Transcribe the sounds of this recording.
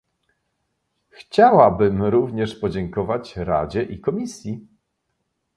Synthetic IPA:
xt͡ɕawabɘmɾuvɲɛʂpɔd͡ʑɛŋkɔvat͡ɕɾa̰d͡ʑɛʔikɔmʲisʲji

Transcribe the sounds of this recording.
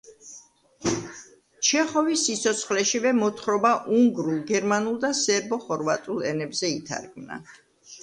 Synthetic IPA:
t͡ʃʰɛχɔvisːit̪sʰɔt̪sʰχlɛʃivɛmɔt̪ʰχɾɔbaʔuŋɡɾulˠɡɛɾmanulˠd̪asɛɾbɔχɔɾvat̪ʼulˠɛnɛbzɛit̪ʰa̰ɾɡmna̰

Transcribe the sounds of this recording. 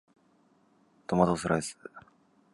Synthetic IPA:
t̪omat̪osɨɾa̰sɨ̥

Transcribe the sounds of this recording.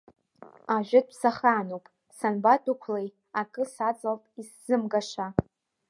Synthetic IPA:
aʒᶣɪd̚ʼʰsaχaːnowpʼ | sanbatʼukʷʰlej | akʼɨsat͡sʼalpʼisz̥ɨmɡaʂa

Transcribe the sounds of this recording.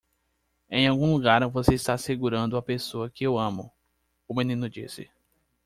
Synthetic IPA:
ẽj̃awɡũluɡaɾvoseist̪aseɡuɾɐ̃nd̪ʊɐpesoɐkɪewɐ̃mʊ̰ | ʊmẽnĩnʊd͡ʒisɪ̰

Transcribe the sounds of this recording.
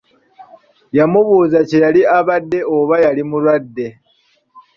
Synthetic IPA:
jamuβuːzacejaliaβadːe̞oβajalimulwadːe̞

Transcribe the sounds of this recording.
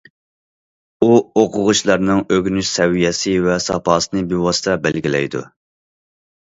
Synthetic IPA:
uoqʰʊʁʊʃlˠɑɾnɨŋøɡʲnyʃsɛwijɛsɪvɛsɑpɑːsɨnɨbiwɑsɨ̥t̪ʰɛbɛlɡʲilɛ̰jd̪ṵ

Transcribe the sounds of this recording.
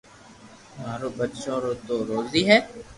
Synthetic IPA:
maːɾobətːʃõɾoːt̪oɾoːziːɦɛː

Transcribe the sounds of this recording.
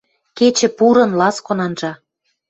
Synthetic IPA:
ket͡ɕɘ̆puɾɤ̆nlɑskonɑnʒɑ

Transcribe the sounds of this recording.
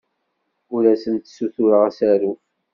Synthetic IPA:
ʊɾæsənt̪suθʊɾəʁæsæɾu

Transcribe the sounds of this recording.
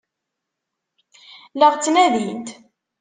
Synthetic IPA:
ləʁt͡sːnæðint̪

